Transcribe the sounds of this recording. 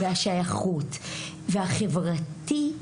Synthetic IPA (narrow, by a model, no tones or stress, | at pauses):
veaʃajaχut | veaχe̞vʁati